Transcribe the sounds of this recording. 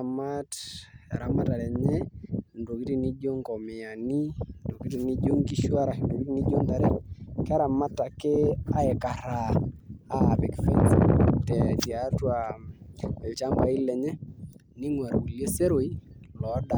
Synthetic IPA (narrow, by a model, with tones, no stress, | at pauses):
a˨ma˦ta̰˨ɾa˦ma˨ta˨ɾɛ˨ɲɛ˦ndo˨ki˦ti˨ni˦d͡ʒo˦ŋkɔ˨mɪ˨a˨ni˦ndo˨ki˦ti˨ni˦d͡ʒo˦ŋki˦ʃwa˦ɾa˨ndo˨ki˦ti˦ni˦d͡ʒo˦nta˨ɾɛ˦ka˦ɾa˨ma˦tːa˨kɪ˦a˦ɛ˨ka˨ɾa˨a˦˨pɪ˨kfi˦stɛ˨ti˨a˨twa˨ | ɪ˨lt͡ʃa˦mba˨i˦lɛ˨ɲɛ˦ | nɪ˦ŋwa˨ɾwu˨lje˦se˦ɾo˨i˦lɔ˨˦da˨